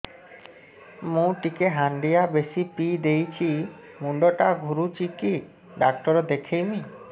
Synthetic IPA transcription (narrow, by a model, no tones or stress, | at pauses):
mũʈikeɦaɳɖijabesipid̪ejt͡ɕʰi | muɳɖoʈaɡʱuɾut͡ɕiki | ɖak̚ʈɔɾod̪ekʰejmi